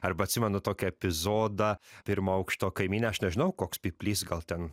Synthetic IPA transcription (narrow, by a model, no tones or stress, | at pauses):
ɐɾbɐtʲsʲɪmʲɛnʊt̪oːkʲɛɛpʲɪzoːd̪ɐːpʲɪɾmɐɐʊkʃt̪oːkɐɪmʲiːnʲɛɐʃnʲɛʒʲɪnɐʊkoːkspʲɪpʲlʲiːsɡɐlˠt̪ʲɛn